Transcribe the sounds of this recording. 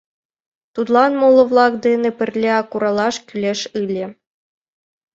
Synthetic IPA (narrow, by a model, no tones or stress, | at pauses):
t̪ut̪lˠɑnmolˠɤ̆vlˠɑkd̪enʲɘ̆pʲɘ̆rʲlʲeɑkuɾɑlˠɑʃkʲylʲeʃɯlʲĕ